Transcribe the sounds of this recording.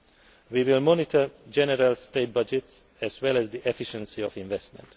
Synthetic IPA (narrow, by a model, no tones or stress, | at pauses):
wiwilmɔnɪtʰəd͡ʒɛnɛɾalstet̚bʌd͡ʒɛts | ɛzwɛlɛzd̪iʔɛfiʃə̃nsiɔvĩɱvɛstmɛ̰̃nt